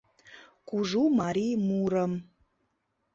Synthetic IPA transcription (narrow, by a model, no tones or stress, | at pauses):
kuʐumaɾimuɾəm